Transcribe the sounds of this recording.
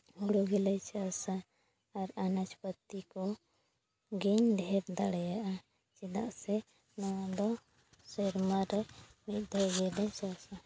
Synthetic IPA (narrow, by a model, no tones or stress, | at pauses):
huɽuɡɛlat͡ʃasaː | ɾanat͡ʃpət̪ːikɔ | ɡiɲɖʱɛpd̪aɽɛjaʔa | t͡ʃid̪aʔsɛ | nɔd̪ɔ | sɛɾmaɾɛmit̪̚ˀd̪ʱɔɡɛlajt͡ʃasa